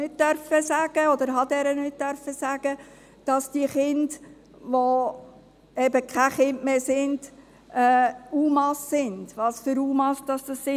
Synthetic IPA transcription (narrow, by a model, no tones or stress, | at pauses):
nɪt̚tœɾfəsæɡ̥əɔd̪əɾɦɑd̪ɛɾənɪt̚tœɾfəsæɡ̥ə | d̥ɑsd̥iəχɪnd | ʋo | ɛbəkʰæχɪndmeːsɪnd̥ | ɛːuːmɑsːɪnd̥ʋɑsfʏɾuːmɑsd̥ɑsd̥ɑssɪ